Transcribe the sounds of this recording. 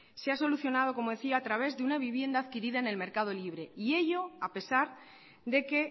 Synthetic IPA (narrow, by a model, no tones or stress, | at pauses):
seaso̞luθjonað̞o̞ko̞mo̞ðe̞θiaːt̪ɾaβ̞e̞zðe̞unaβiβje̞nd̪aːðkiɾiðaene̞lme̞ɾkað̞o̞liβ̞ɾe̞ie̞ʝo̞ape̞saɾ | ðe̞ke̞